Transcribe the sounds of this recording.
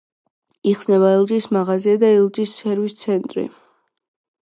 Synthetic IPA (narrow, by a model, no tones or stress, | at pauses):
iχsnɛβaɛlˠd͡ʒʼismaʁaziad̪aɛlˠd͡ʒʼisːɛɾvist̪sʰɛnt̪ʼɾḭ